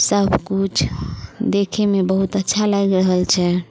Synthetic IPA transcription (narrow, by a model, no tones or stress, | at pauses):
səbkut͡ʃʰd̪ekʰemebəɦut̪ətːʃʰalaɡɾəɦəlt͡ʃʰɛ